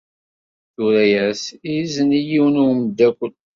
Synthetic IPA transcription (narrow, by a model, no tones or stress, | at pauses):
θʊɾæjæsizənijiwənumd̪ækʷːəl